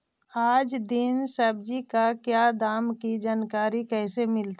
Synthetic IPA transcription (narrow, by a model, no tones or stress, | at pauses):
aːd͡ʒd̪ɪnsəb̚d͡ʒikakjaːd̪aːmkid͡ʒaːnkaːɾikɛːsemɪlt̪